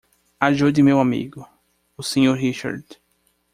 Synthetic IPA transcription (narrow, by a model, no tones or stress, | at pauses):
aʒod̪ɪmewamḭɡʊ | ʊsẽɲoɾɦiʃa̰ɾd̪